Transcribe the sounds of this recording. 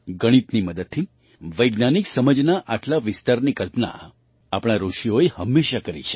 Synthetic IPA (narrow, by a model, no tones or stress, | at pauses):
ɡəɽ̃it̪niməd̪əd̪̚t̪ʰi | ʋəjɡnaniksəməd͡ʒnaʔaʈlaʋɪst̪aɾnikəlpna̰ | apɽ̃aɾoʃioehəmːeʃakəɾḭt͡ʃʰe̥